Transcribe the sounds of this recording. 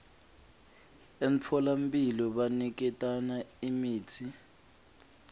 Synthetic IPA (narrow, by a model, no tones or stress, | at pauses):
em̩t͡fʰɔlam̩pʼilɔɓanik̬ɛtʼanaimiːtʰi